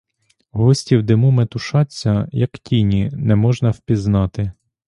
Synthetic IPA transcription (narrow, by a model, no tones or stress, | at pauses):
ɦɔsʲtʲiwd̪ɪmumet̪ʊʃɑt͡sʲːɐjɐktʲinʲinɛmɔʒnɐwpʲiznɑt̪ɪ